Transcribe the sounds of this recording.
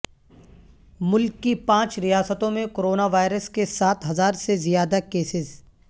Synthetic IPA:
mʊlkːipãːt͡ʃɾijaːsət̪õmẽkoːɾoːnaʋaːɪɾəskesaːt̪ʰɦɐzaːɾsezijaːd̪akeːsɪz

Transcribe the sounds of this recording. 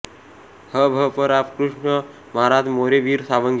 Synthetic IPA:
həbʱəpəɾapkɾuʂɳə | maɾat̪moɾeʋiːɾsaʋəŋɡ

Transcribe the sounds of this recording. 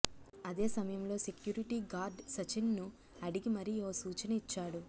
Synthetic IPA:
ɐd̪e̞ːsɐmɐjɐmlo̞ːse̞kjuːɾiʈiːɡaːɾɖsɐt͡ʃinːu | ɐɽiɡimɐɾioːsuːt͡ʃɐnɐit͡ʃːaːɽu

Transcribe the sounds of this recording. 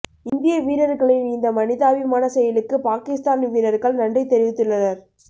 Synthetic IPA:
ɪnd̪ɪjɐʋiːɾɐɾɣɐɭɪnɪnd̪ɐmɐnɪðaːʋɪmaːnɐsɛjɐlɯkːɯpaːkɪst̪aːnʋiːɾɐɾɣɐɭnɐɳɖrɐɪt̪ːɛɾɪʋɪt̪ːɯɭːɐnɐɾ

